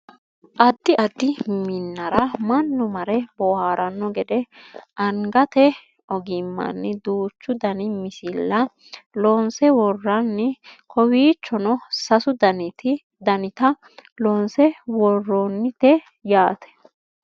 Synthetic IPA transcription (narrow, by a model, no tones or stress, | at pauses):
ʔɐd̪ːɪʔɐd̪ːɪmɪnːɐɾɐmɐnːʊmɐɾɛbɔhaːɾʔɐnːɔɡɛd̪ɛʔɐŋɡɐt̪ɛ | ɔɡɪmːɐ̰nːɛd̪uːt͡ʃːʊd̪ɐnɪmɪsɪlːɐ | lɔnsɛwɔrːɐnːɛkʰɔwiːt͡ʃːɔnɔsɐsʊd̪ɐnɪt̪ɪ | d̪ɐnɪt̪ɐ | lɔːnsɛwɔrːonːɪt̪ɛ | jaːt̪ɛ̥